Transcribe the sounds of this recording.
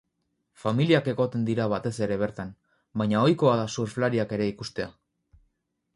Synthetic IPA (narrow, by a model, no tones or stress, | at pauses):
familiake̞ɣo̞t̪e̞nd̪iɾaβ̞at̪e̞se̞ɾe̞β̞e̞ɾt̪an | bajɲao̞jko̞aðasuɾflaɾiake̞ɾe̞ikust̪e̞a